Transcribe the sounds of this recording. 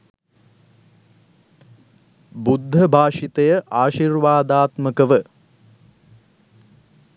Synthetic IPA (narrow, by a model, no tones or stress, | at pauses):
bud̪ʱːəbʱaːʂit̪ejəʔaːʃirʋaːd̪aːt̪məkəʋə